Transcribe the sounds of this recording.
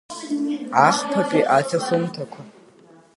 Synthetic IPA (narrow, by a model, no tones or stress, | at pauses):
aːχpʰɐpʼiʔaːtʰɐsomtʰɐkʷʰɐ